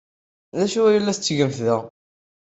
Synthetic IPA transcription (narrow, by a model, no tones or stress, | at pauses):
ðæʃuæjəlːæθt͡sːʝəmθðəʁ